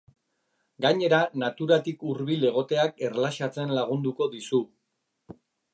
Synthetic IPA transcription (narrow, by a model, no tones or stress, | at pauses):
ɡaɲe̞ɾanat̪uɾat̪ikuɾβile̞ɣ̞o̞t̪e̞ake̞rlaʃat͡se̞nlaɣ̞und̪uko̞ðisu